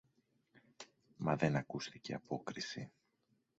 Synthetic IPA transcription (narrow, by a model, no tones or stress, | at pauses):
mɐðe̞nɐkust̪ice̞ɐpo̞kɾisi